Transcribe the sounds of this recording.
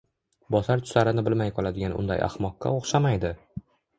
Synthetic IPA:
bɒsaɾt̪ʰʊ̥saɾɪnɪbɪlmajqʰɒlˠad̪ɪɡʲanʊ̰nd̪a̰ja̰hmɒqːa̰oχʃamajd̪ɪ

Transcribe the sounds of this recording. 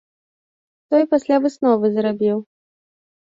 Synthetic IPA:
t̪ɔjpasʲlʲavɨsnɔvɨzɾabʲiw

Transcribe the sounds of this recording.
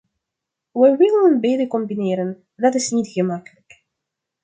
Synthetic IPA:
wɛwɪlənənbeːdəkɔmbinɪːɾən | dɑtɪsnitɣəmɑkələk

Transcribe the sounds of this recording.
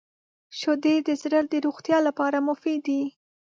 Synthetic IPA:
ʃod̪ed̪əzɾəld̪əɾuɣt̪jɑlapɑɾamʊfid̪i

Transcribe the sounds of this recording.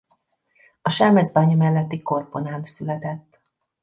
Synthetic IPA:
ɒʃɛrmɛd̪zbaːɲɒmɛlːɛt̪ːiko̞rpo̞naːmsylɛt̪ɛt̪ː

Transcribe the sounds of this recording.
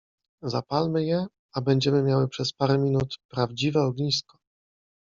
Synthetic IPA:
za̰palmɘjɛ | abɛɲd͡ʑɛmɘmʲjawɘpʂɛspaɾɛmʲinut̪pɾavd͡ʑivɛɔɡɲiskɔ̥

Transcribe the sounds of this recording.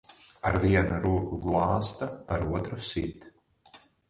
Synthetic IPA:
aɾviɛnuɾuːkuɡlˠɑːst̪aa̰ɾuɔt̪ɾusit̪

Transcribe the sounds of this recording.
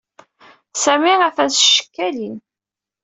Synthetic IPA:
sæmiæfæsʃə̥kːælin

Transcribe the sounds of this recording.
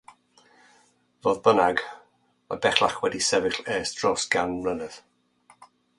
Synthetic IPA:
voːðbənaɡ | ɔ̰bɛχlˠaχwɛdisɛvɪɬeːsd̥rɔsɡ̥anmlənəð̥

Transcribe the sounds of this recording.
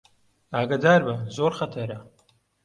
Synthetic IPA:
aːɡad̪aːɾbɐzoːɾxɐt̪ʰɐɾɐ

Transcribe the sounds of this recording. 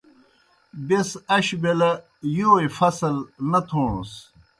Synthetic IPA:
besɐɕbelɐ | joːifɐsɐlnɐt̪ʰoːɳus

